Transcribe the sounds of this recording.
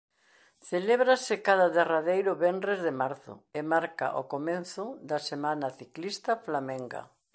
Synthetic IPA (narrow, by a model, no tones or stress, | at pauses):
θeleβɾasɪkaðaðeraðejɾʊβɛndɾezðemaɾθʊ̰ɪmaɾka̰ʔo̰komenθʊðasemãnaθiklist̪aflameŋɡa̰